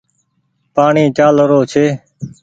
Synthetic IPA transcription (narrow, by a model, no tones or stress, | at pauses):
paːɳiːt͡ʃaːlɾoːt͡ʃʰeː